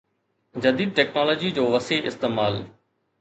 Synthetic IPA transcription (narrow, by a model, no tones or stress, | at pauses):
d͡ʑɐd̪iːd̪̚ʈɛːknaːloːd͡ʑid͡ʑoːʋɐseʔɪ̰st̪eːmaːl